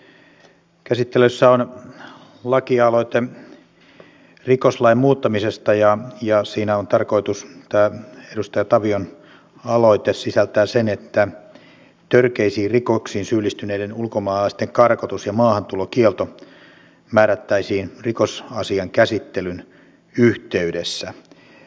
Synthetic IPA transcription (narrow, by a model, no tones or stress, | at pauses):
kæsit̪ːeløsːæon | lɑkiɑloit̪e | rikoslɑimmuːt̪ːɑmisest̪ɑjɑjɑsiːnæont̪ɑrko̞it̪ust̪æːedust̪ɑjɑt̪ɑʋion | ɑloit̪essisælt̪æːsenet̪ːæ | t̪ørkeisiːrikoksiːnsyːlːist̪yneidenulkomɑːlɑist̪eŋkɑrkot̪usjɑmɑːhɑnt̪ulokielt̪o | mæːɾæt̪ːæisiːnrikosɑsiɑŋkæsit̪ːelyn | yht̪eydesːæ